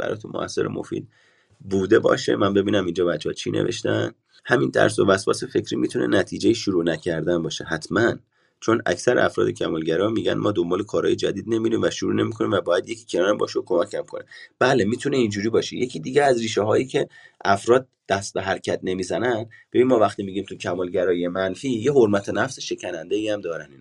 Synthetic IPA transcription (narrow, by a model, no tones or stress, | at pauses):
b̥æ̰ɒ̰ːjt̪ʰunmo̰ʔæ̰sːe̞ɾḛmo̰fḭːd̪̥̚ | buːd̪e̞bɒ̰ːʃe̞̰mænbe̞biːnæmind͡ʒɒːbæt͡ʃːeɒt͡ʃʰinʔḛve̞̰ʃt̪æn | hæmint̪ʰæ̰ɾs̬o̰væsbɒ̰ːsefe̞cʰɾiːmiːt̪ʰunḛnæt̪ʰiːd͡ʒejiʃuɾuːnæcʰæɾd̪ænbɒːʃe̞hæt̪ʰmæn | t͡ʃʰonæ̰csæɾḛæfɾɒ̰ːd̪ecʰæmɒːlɟæɾɒmiːɟæ̰nmɒːd̪ombɒːle̞kʰɒːɾhɒːjed͡ʒæd̪iːd̪̚ne̞miɾiːmvæʃuɾuːne̞miːkʰoniːmvæbɒːjæd̪je̞cʰi̥ːcʰenɒːɾembɒ̰ːʃeokʰo̞mæcʰæmkʰo̞neb̥æːlemiːt̪ʰune̞ind͡ʒuːɾiːbɒːʃḛje̞cʰiːd̪iːɟeæzriːʃeɦɒːjiːcʰe̞ʔæfɾɒːd̪̥̚ːæst̪eɦæɾcʰæt̪̚ne̞miːzænænd̪b̥ebiːnmɒːvæxt̪iːmiɟiːmt̪ʰucʰæmɒːlɟæɾɒːjiemænfiːjeɦoɾmæt̪ʰenæfseʃe̞cʰænænd̪eiæmd̪ɒːɾænin